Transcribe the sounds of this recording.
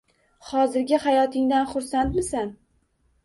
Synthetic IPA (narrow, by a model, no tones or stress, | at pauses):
hɒzɪɾɡʲɪhajɒt̪ʰɪŋd̪anχʊɾsant̪mɪsan